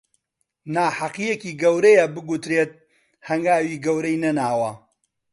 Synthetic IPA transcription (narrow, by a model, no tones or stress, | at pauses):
naːħaqijekiːɡɐwɾɐjɐbɨɡut̪ɾeːt̪̚ | hɐŋɡaːwiːɡɐwɾɐjnɐnaːwɐ